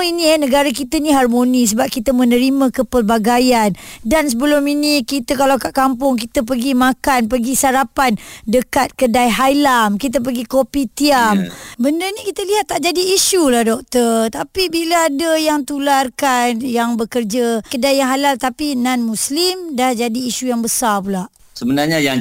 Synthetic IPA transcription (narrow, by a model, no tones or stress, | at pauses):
inĩɛnəɡaɾak̬it̪ənĩɦarmonis̬əbap̚kit̪əmə̃nəɾimãkəpərbaɡajandansəbəlʊminikit̪əkalawkaʔkampʊŋkit̪əp̬əɡimakanpəɡisaɾapandəkat̪̚kədajɦajlamkit̪̬əp̬əɡikopit̪iambəndənĩkit̪əliɦat̪ːaʔd͡ʒadiːʃulahdɔk̚t̪ərt̪apibilaadəjaŋt̪ularkanjaŋbəkərd͡ʒakədajaŋɦalalt̪apinanmuslimdahd͡ʒadiːʃujaŋbəsarp̬ulaʔ | səbənarɲajaŋ